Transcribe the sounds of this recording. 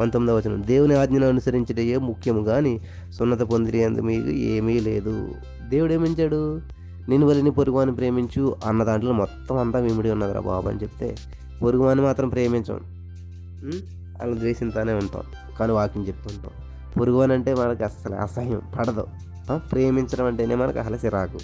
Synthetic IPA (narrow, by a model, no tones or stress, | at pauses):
ɐnt̪omːid̪iʋɐt͡ʃːɐnɐ̰md̪e̞ːwuniaːd̪ɲɐnɐɐnusɐɾiɲt͡ʃɐʈɐjeːmukʰjɐmuɡaːni | sunːɐt̪̬ɐpond̪iɾijɐnd̪imiːkṵḛːmiːle̞̰ːd̪ṵ | d̪e̞ːwuɽeːmiɲt͡ʃaːɽu | ninːiʋɐlːinipoɾuɡuʋaːnːipɾe̞ːmiɲt͡ʃuɐnːɐd̪aːɳʈloːmɔt̪ːɐmɐnt̪aːʋimiɽiunːɐɡ̪ɾɐ̰bʱa̰ːbɐ̰nit͡ʃepi̥t̪e̞̰ː | poɾuɡuʋaːnimaːt̪ɾɐmpɾeːmiɲt͡ʃɐ̰m | ɐ̰lɐnɐd̪ʋeːʃint̪aːneːuɳʈa̰ːn | kaːniːʋaːkiŋt͡ʃep̚t̪uːɳʈo̰ː | poɾuɡuʋaːnɐɳʈe̞ːmɐnɐkɐsɐl̰ɐ̰sɐjɐmpɐɽɐd̪ɐ̰ | pɾeːmiɲt͡ʃɐʈɐmɐɳʈeːneːmɐnɐkɐ̰ɦɐlɐsiɾaːku